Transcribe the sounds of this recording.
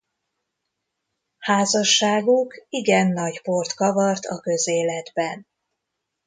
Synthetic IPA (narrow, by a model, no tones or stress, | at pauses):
haːzɒʃːaːɡukiɡɛnːɒɟport̪kɒvɒrt̪ʰɒ̰kø̞zeːlɛd̪bɛn